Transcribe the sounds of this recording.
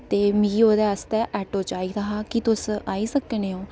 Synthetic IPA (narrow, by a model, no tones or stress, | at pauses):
t̪eːmiɡiːoːd̪eːəst̪ɛːʔɛːʈoːt͡ʃaːiːɾaɦaːkit̪ʊsaːiːsəkñeːõː